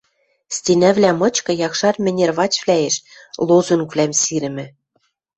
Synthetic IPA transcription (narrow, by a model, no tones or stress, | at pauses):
sʲt̪ʲinæβlʲæmɤ̆t͡ɕkɤ̆jɑkʃɑrmʲɘ̆nʲerβɑt͡ɕvlʲæeʃlˠozuŋkvlʲæmsiɾɘ̆mɘ̆